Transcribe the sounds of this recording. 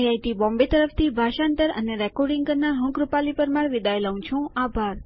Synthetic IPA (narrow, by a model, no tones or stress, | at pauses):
jajt̪ibɔ̃mbet̪əɾəft̪ʰibʱaʃant̪əɾə̰neɾɛkɔɾɖĩŋɡ̚kəɾnaɾɦə̃kɾupalipəɾmaɾʋid̪aeləũt͡ʃʰũabʱaɾ